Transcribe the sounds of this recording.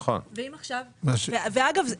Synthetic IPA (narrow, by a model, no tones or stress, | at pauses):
χo̰nveimaχʃavmaʃveveaɡavz